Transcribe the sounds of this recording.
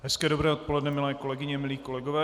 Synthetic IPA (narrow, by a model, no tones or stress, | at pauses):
ɦɛskɛːdobɾɛːot̪̚po̞lɛdnɛmɪlɛːko̞lɛɡɪɲɛmɪliːko̞lɛɡovɛː